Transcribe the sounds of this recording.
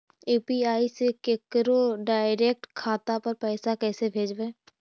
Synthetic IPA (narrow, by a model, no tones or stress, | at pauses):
uːpiaːisekekɾoɖaːɪɾeːk̚ʈkʰaːt̪apɐɾpɛːsakɛːsebʱeːd͡ʒbeː